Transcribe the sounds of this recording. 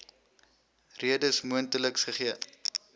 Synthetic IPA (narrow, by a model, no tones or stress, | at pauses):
riədəsmuəntələksχəχiə